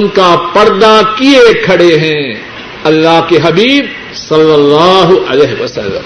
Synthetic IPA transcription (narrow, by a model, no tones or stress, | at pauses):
ʊnkapɐɾd̪akiekʰɐɽeɦɛ̃ː | ɐlːaɦkeɦɐbiːb | sɐlːɐlːaːɦʊʔɐ̰leːɦeʋɐsɐ̰lːə̰̃m